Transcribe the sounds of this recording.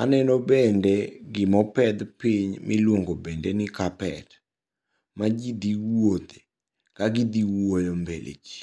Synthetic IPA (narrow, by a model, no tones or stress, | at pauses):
anɛnɔbɛndɛɡɪmɔpɛd̪pɪɲmʔɪ̰lwoŋɡobendɛnɪkapɛ̰t | mad͡ʒid̪iwod̪e | kaɡid̪iwojɔmbḛlḛd͡ʒi̥